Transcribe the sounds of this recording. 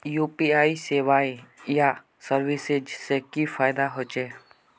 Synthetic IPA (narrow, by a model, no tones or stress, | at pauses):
juːpiaːiseːʋaːija | səɾʋɪsed͡ʒsekifaːɪd̪aɦot͡ʃeː